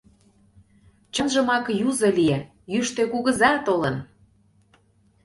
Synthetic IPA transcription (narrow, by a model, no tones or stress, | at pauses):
t͡ɕənʒə̆mɑkjuzɤ̆lie | jyʃt̪økuɣə̆zɑt̪olə̆n